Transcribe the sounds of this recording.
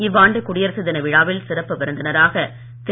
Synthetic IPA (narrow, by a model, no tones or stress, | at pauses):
ɪʋːaːɳɖɯkʊɽɪjɐɾsɯðɐnɐʋɪɻaːʋɪlsɪɾɐpːɯʋɐɾɯnd̪ɐnɐɾaːɣɐ | t̪